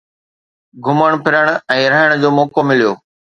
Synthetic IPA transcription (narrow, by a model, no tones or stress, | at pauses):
ɡʱʊməɽ̃pʰɪɾəɽ̃̆ɛ̃ːɾɐɦəɽ̃d͡ʑoːmɔːkomɪlijoː